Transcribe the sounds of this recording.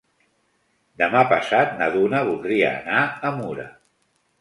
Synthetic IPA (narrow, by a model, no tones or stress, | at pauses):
d̪əmapəsat̪̚nəðunəβ̞ulˠd̪ɾiə̰ːnaəmuɾə̰